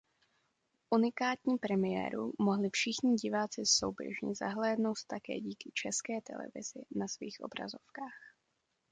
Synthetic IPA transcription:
ʔunɪkaːt̪ɲiːpɾɛmɪjɛ̰ːɾṵmoɦlɪfʃɪxɲɪɟɪvaːt͡sɪso̞̰wbjɛ̰ʒɲɛ̰za̰ɦlɛːdno̞wt̪t̪akɛ̰ːɟiːkɪt͡ʃɛskɛːt̪ɛ̰lɛ̰vɪ̰z̥ɪnasviːxʔo̞̰bɾa̰zo̞fkaːx

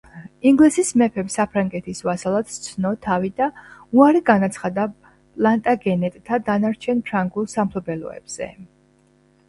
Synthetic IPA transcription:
iŋɡlisismɛpʰɛpsapʰɾaŋɡɛt̪ʰisvasalˠad̪̥t̪sʰnɔt̪ʰavid̪auaɾiɡanat̪sʰχad̪a | pʼlˠant̪ʼaɡɛnɛt̪ʼt̪ʰad̪anaɾt͡ʃʰɛnpʰɾaŋɡulˠsampʰlɔbɛlɔ̰ɛ̰b̥z̥ɛ̰

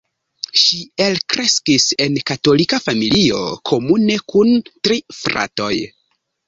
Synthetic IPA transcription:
ʃie̞lkɾe̞skise̞nkato̞likafamilio̞̰kʰo̞mune̞kuntɾifɾa̰to̞̰j

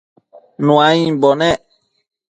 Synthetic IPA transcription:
nũaĩbɔnɛ̃

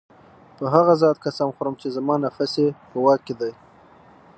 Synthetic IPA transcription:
pəɦaɣazɑt̪̚kasɑmxʊɾəmt͡ʃezamɑnafasepəwɑkːed̪aj

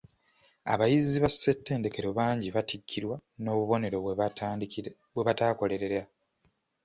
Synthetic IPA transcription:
a̰βajiziβasːe̞tːe̞ːnde̞ke̞ɾo̞βaːɲɟiβatikːiɾwano̞ːβuβo̞ne̞ɾo̞ | bwe̞βataːko̞le̞ɾe̞ɾa

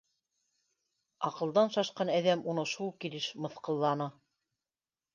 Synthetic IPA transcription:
ɑqɤ̆lˠd̪ɑnʃɑʃqɑnæðæmunɤʃulˠkilɘʃmɤ̆θqɤ̆lˠːɑnɤ

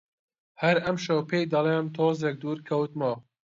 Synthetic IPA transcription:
hɐɾɐmʃɐwpʰeːjd̪ɐlˠeːmt̪ʰoːzek̚d̪uːɾkʰɐwt̪moː

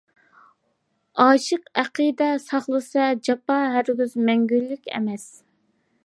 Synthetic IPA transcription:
ɑːʃəqæqid̪ɛsɑχlˠɨsɑd͡ʒɑpɑɦæɾɡʲyzmɛŋɡʲylːykʲɛ̰mɛs

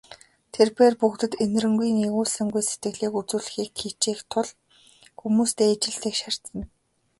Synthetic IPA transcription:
t̪ʰerpeːrpukt̪ɘ̆t̪en̆rɘ̆ŋɡujniʁʊːsɘ̆ŋɡujset̪ɡɘ̆ɣɮiːkut͡suːɮ̆xiːkxit͡ɕiːxt̪ʰʊɮ | xumuːst̪eːat͡ɕɪ̆ɬt̪eːkʃar̥t̪ə̆n

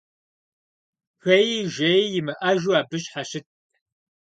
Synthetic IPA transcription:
xɐjiʒʷejjɪmɨʔɐʒuaːbɨɕʼħaɕɪt̚ʰʼ

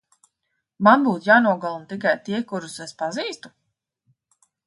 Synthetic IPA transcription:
manbuːt̪jaːnuɔɡɔlˠunt̪ikajt̪iɛkuɾusespaziːst̪u̥

